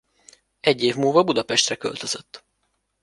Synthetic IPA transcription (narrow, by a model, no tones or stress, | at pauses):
ɛɟːeːvmuːvɒbud̪ɒpɛʃt̪rɛkø̞̰lt̪øz̥øt̪ː